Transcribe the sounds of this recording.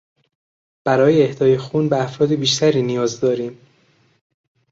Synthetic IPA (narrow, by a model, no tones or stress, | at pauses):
b̥æɾɒːjeːhd̪ɒːjexuːnbeæfɾɒːd̪ebiːʃt̪ʰæɾiːnijɒːzd̪ɒːɾiːm